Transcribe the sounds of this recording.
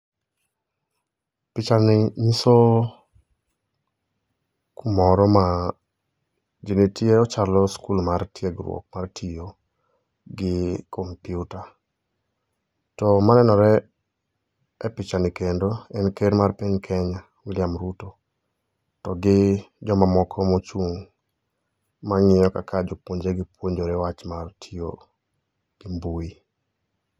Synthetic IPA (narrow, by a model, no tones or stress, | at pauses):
pɪt͡ʃanɪɲiso | kumɔɾɔma | d͡ʒenetjeɔt͡ʃalɔskulmartjeɡrwo̰k̚martʰijo | ɡɪkompjuta | tɔmanɛnɔɾɛ | ɛpɪt͡ʃanikendoɛnkeɾmarpiɲkʰɛɲa | wɪljamɾuto | tɔɡɪd͡ʒɔmamɔkʰɔmɔt͡ʃuŋ | maŋɪjɔka̰kʰad͡ʒopwoɲd͡ʒeɡɪpwoɲd͡ʒoɾɛwat͡ʃmartʰijo̰ | ɡ̥ɪmbui